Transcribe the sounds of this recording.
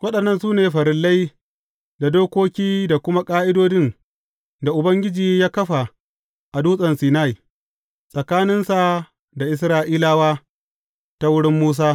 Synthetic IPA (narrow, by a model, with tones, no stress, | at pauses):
wɐ˦ɗɐ˨nːɐ˦nsuː˦neː˨ɸɐ˨ɾɪ˦lːa˦j | da˨doː˦kʷoː˦kʲiː˦da˨kʷʊ˦ma˦kʼaː˦ʔɪ˦doː˦d͡ʒɪ˦n | da˨ʔʊ˨bɐ˦ŋɡʲɪ˦d͡ʒiː˨jaː˦kɐ˦ɸa˨ | ʔa˨duː˦sʼɐ˨nsiː˨na˦˨ji˨ | sʼɐ˨kaː˦nɪ˦nsa˨ | da˨ʔɪ˦s̬ɾaː˦ʔiː˦laː˦waː˦ | ta˦wʊ˦ɽɪ˦mːuː˦s̬aː˦